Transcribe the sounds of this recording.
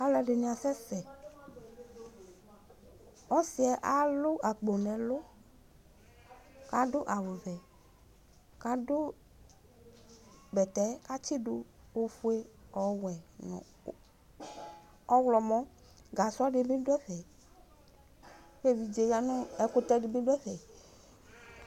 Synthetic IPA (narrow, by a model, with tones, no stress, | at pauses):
a˦lɛ˨ɖe˨nĩ˨a˨sɛ˦sɛ˨ | ɔ˦si˨ɛ˨ʔa˦lʊ˦ʔa˨k͡po˨nɛ̃˨lo˦ | ka˦dʊ˦ʔa˨wo˨vɛ˨ | ka˨dʊ˦ | bɛ˨t̪ɛ˦ka˦t͡ʃi˦du˦ | wo˦fu˦e˦ɔ˨wɛ˨nɔ̰̃˨ | ɔ˦wlɔ˨mɔ̃˦ | ɡa˨sʊ˦a˦ɖɪ˨bĩ˦ɖʊ˦ɛ˦ɸɛ˨ | ɸe˦vi˨d͡ʒe˨ja˦nũ˦ɛ˨˦ko˦t̪ɛ˦ɖɪ˨bĩ˦ɖʊ˦ɛ˦vɛ˨